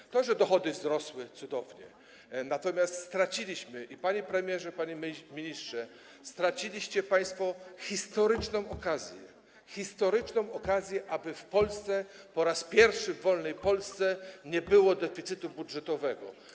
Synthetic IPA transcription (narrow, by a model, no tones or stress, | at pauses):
t̪ɔʐɛd̪ɔxɔd̪ɘzɾɔswɘt̪sud̪ɔvɲɛ̰ | nat̪ɔmʲjast̪st̪ɾat͡ɕilʲiɕmɘʔipaɲepɾɛmʲjɛʐɛpaɲɛmʲiɲistʂɛ | st̪ɾat͡ɕilʲiɕt͡ɕɛpaj̃st̪fɔxʲist̪ɔɾɘt͡ʂnɔ̃w̃ɔkazʲjɛ̰ | xʲist̪ɔɾɘt͡ʂnɔ̃w̃ɔkazʲjɛʔabɘfpɔlst̪sɛpɔɾaspʲjɛɾfʂɘvːɔlnɛjpɔlst̪sɛɲɛbɘwɔd̪ɛfʲit̪sɘt̪ubudʐɛt̪ɔvɛɡɔ̰